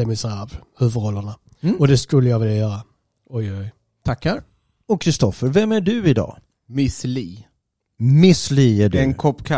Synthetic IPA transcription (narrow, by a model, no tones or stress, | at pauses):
ɛmɪsavhʉvəɾɔlːəna | ɔd̪ɛskɵlːəjavɛljajœːɾa | ɔjɔj | t̪ʰakhæɾ | ɔkʰːɾɪst̪ɔfəɾvɛmæɖɵɪd̪ɑ̰ː | mɪsliː | mɪsliːæɖɵɛnkʰɔpːkʰa